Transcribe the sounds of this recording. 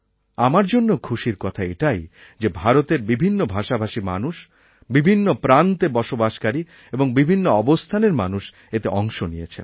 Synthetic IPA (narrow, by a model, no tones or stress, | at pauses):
amaɾd͡ʑonːokʰuʃiɾkɔt̪ʰaeʈajd͡ʑebʱaɾot̪eɾbibʱinːobʱaʃabʱaʃima̰nuʃ | bibʱinːopɾant̪ebɔʃobaʃkaɾi | eboŋbibʱinːoɔbost̪ʰaneɾmanuʃ | et̪eɔŋʃonijet͡ɕʰḛn